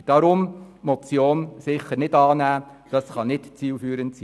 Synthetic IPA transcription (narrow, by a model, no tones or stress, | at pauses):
d̥ɑɾʊmmɔt͡sjoːnsɪχəɾnɪdɑːnæː | d̥ɑsχɑnɪtt͡siːlfyːɾəntsiː